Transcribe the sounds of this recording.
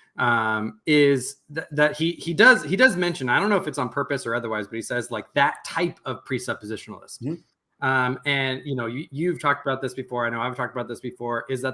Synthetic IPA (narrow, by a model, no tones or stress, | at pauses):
ʔʌ̃mɪzðɨðɨt̚hihidʌzhidʌzmɛ̃nʃɨ̃naɪɾõʊ̃nːoʊɨfɨtsn̩pʰɜ˞pɨsə˞ʌðə˞waɪzbʌt̚hisɛzlaɪk̚ðɨtʰaɪpʰʌv̥pʰɹ̥isʌpɨzɪʃnl̩ˠɪ̰st̚ | ʌ̃mɨ̃njɨnoʊjɨjʉv̥tʰɔk̚təbaʊt̪̚ðɪsb̥ɨfɔɹaɪnoʊaɪv̥tʰɔk̚təbaʊt̪̚ðɪsb̥ɨfɔɹɪzðət